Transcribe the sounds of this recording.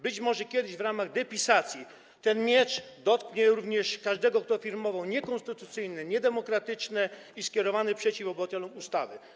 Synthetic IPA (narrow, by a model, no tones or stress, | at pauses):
bɘt͡ɕmɔʐɛkʲjɛd̪ɘʑvɾamaɣd̪ɛpʲisat̪sʲji | t̪ɛnmʲjɛt͡ʂ | d̪ɔt̪kɲɛɾuvɲɛʂkaʐd̪ɛɡɔkt̪ɔfʲiɾmɔvawɲɛkɔnst̪ɘt̪ut̪sɘjnɛɲɛd̪ɛmɔkɾat̪ɘt͡ʂnɛ | iskʲɛɾɔvanɘpʂɛt͡ɕifɔbwat̪ɛlɔmust̪avɘ